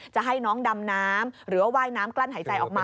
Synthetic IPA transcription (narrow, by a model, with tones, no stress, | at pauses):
t͡ɕa˨˩ʔɦa˥˩jnɔː˦˥ŋda˧mnaː˦˥mɾɯː˩˦˧waː˥˩jnaː˦˥mklaː˥˩nɦaː˩˦jt͡ɕa˧jʔɔː˨˩k̚maː˧